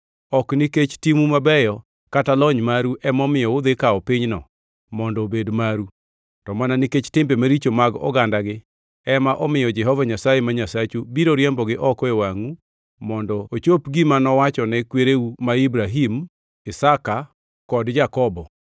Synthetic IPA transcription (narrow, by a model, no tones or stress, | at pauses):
ɔkniket͡ʃtimumabɛjɔ | katalɔɲmaɾuʔɛmɔmɪjɔod̪ekaɔpɪɲnɔ̰ | mɔndɔbedmaɾu | tɔmananiket͡ʃtɪmbemaɾit͡ʃomaɡɔ̰ɡandaɡɪ | ɛmaʔɔmɪjɔd͡ʒɛɦɔvaɲasajemaɲasat͡ʃubiɾoɾjɛmbɔɡɪʔɔkɔewaŋu | mɔndɔot͡ʃopɡimanɔwat͡ʃɔnɛkweɾeumaibɾaɦim | ɪsaka | kɔdd͡ʒakɔbɔ